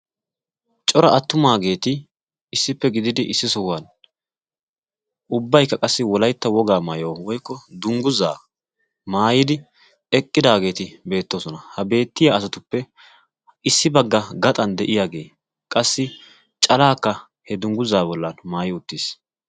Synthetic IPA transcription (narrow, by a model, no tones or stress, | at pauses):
t͡ʃʼɔɾɐʔɐt̪ːʊmaːɡe̞ːt̪ɪ | ɪsːɪpːɛɡɪd̪ɪd̪ɪʔɪsːɪsɔwan | ʔʊbːɐjkːɐkʼɐsːɪwɔlɐjt̪ːɐwɔɡaːmaːjoːwɔjkːɔd̪ʊŋɡʊza̰ː | maːjɪd̪ɪ | ɛkʼːɪd̪aːɡe̞ːt̪ɪbe̞ːt̪ːoːsɔnɐhɐbe̞ːt̪ːɪjaɐsɐt̪ʊpːɛ | ɪsːɪbɐɡːɐɡɐt̪ʼɐnd̪ɛʔɪjaːɡe̞̰ː | kʼɐsːɪ | t͡ʃʼɐlaːkːɐ | hɛd̪ʊŋɡʊzaːbɔlːɐnmaːjɪʊt̪ːis